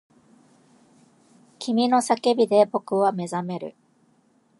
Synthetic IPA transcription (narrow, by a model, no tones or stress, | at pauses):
kʲʰimʲino̞sake̞bʲid̪e̞bo̞kɯ̟βame̞zame̞ɾɯ̟̰